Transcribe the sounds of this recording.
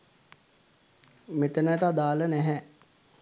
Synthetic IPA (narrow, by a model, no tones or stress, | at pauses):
meʈ̪ənəʈəad̪aːlənɛɦɛ